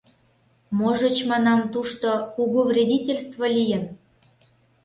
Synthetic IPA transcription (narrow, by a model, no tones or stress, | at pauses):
moʒə̆t͡ɕmɑnɑmt̪uʃt̪okuɣuvrʲedʲitʲelʲst̪volʲijə̆n